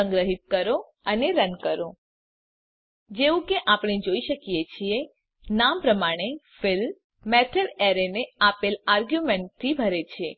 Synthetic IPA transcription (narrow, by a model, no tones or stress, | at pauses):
əŋɡɾəɦit̪̚kəɾo | əneɾənkəɾo | d͡ʒeʋũkeʔapɽ̃ed͡ʒoiʃəkijet͡ʃʰie | nampɾəmaɽ̃efɪl | meʈʰəleɾeneapelaɾɡjumeɳʈ̚t̪ʰːibʱəɾet͡ʃʰe